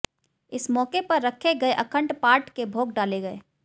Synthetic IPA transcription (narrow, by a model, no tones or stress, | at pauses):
ɪsmɔːkepɐɾːəkʰeɡɐeʔəkʰə̃ɳʈpaːɾʈkebʱoːɡ̚ɖaːleɡɐḛ